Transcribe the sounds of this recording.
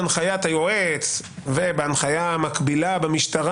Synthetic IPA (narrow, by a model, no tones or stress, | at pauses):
anχajat̪hajoet͡sve̞beanχajaamakbilabemiʃtaʁa